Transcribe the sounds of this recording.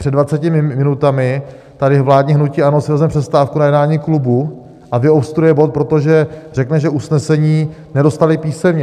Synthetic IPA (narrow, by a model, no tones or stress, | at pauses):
r̥ɛdvat͡sɛcɪmɪmɪnut̪amɪ | t̪adɪvlaːdɲiɦnuciːʔanosɪvɛzmɛpr̥ɛst̪aːfkunajɛdnaːɲiːklubu | ʔavɪopst̪uɾʊjɛbo̞t̪̚pɾo̞t̪o̞ʒɛr̥ɛknɛʒɛʔusnɛsɛɲiːnɛdo̞st̪alɪpiːsɛmɲɛ